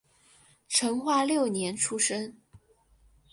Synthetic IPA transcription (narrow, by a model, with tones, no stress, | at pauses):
ʈ͡ʂʰɤ˧˥ŋxwa˥˧ljo˥˩ʊnjɛ˧˥nʈ͡ʂʰu˥ʂə˥ŋ